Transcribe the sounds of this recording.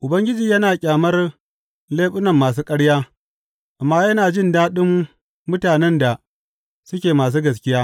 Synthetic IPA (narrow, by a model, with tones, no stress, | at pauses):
ʔʊ˨bɐ˦ŋɡʲɪ˦d͡ʒiː˨jɐ˦naː˨kʲʼaː˨mɐ˦r | leː˦ɓʊ˦nɐ˨mːaː˨s̬uː˦kʼɐ˦ɽjaː˦ | ʔa˨mːaː˦jɐ˦naː˨d͡ʒɪ˦ndaː˦ɗɪ˦mː | ʊ˦taː˨nɛ˦nda˨ | sʊ˦kʲeː˨maː˨s̬uː˦ɡɐ˨skʲɪ˦jaː˦